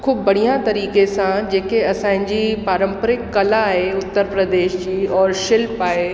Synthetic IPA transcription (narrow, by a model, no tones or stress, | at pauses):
kʰʊbːɐɽ̤ijãt̪ɐɾiːkesãd͡ʑeːkeɐsãːɦɪ̃ɲd͡ʑipaːɾə̃mpəɾɪkːɐlaːɦeʊt̪ːəɾpɾəd̪eːʃd͡ʑiːɔːɾʃɪlpaːɦe